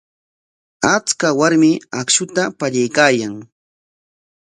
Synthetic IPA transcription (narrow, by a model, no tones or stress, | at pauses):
at͡skawaɾmɪakʃʊt̪apaʎajkaːjaŋ